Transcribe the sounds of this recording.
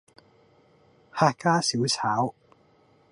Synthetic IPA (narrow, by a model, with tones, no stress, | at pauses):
haː˧kaː˥si˨˥wt͡sʰaː˨˥w